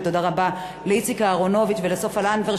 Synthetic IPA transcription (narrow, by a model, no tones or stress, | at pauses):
t̪odaʁaba | leit͡sikaːʁo̞no̞vit̪velesofalanveʁ